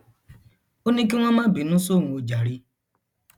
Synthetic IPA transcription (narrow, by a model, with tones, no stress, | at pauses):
o˦nĩ˦ki˦ŋʷɔ̃˦mã˦bi˨nũ˦so˦˨ŋũ˨o˨d͡ʒa˨ɾi˦